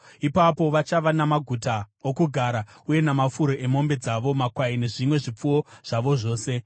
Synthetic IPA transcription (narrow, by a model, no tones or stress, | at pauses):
ipapo̞ʋat͡ʃaʋanamaɡʱutaokuɡʱaːɾauje̞namafuɾo̞ʔe̞mo̞mbe̞d͡zaʋo̞makwaine̞ʐimwe̞ʐip͡fuo̞ʐ̥aʋo̞ʐo̞ːse̞